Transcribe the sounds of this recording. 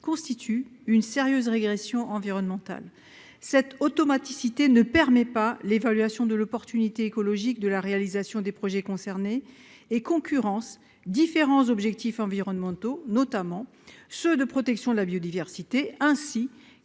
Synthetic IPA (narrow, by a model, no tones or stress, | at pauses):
kɔ̃st̪it̪ʰyynseʁjøzʁeɡʁesjɔ̃ʔɑ̃viʁɔnmɑ̃t̪a̰l | sɛt̪ot̪ɔmat̪isit̪enəpɛʁmɛpalevalɥasjɔ̃d̪əlɔpɔʁt̪ynit̪eːkɔlɔʒik̚d̪əlaʁealizasjɔ̃d̪epχɔʒɛkɔ̃sɛʁneː | kɔ̃kʲyʁɑ̃s | d̪ifeʁɑ̃zɔbʒɛk̚t̪ifɑ̃viʁɔnmɑ̃t̪onɔt̪amɑ̃ | sød̪əpχɔt̪ɛksjɔ̃d̪əlabjod̪ivɛʁsit̪eɛ̃si